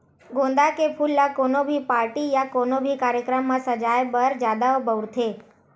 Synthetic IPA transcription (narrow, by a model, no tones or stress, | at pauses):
ɡõnd̪akepʰulːakonobʱipaɾʈijakonobʱikaɾjəkɾəmːãsəd͡ʒajbəɾd͡ʒad̪aobəʋɾt̪ʰe